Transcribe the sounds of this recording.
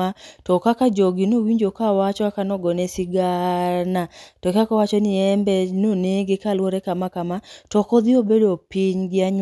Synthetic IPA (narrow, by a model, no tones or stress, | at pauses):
atɔkakad͡ʒoɡinowiɲd͡ʒokawat͡ʃɔakanɔɡɔnɛsɪɡanatɔkakawat͡ʃɔnɪɛmbɛnoneɡekalwoɾɛkamakamatɔkɔd̪ɪobedopiɲɡɪaɲ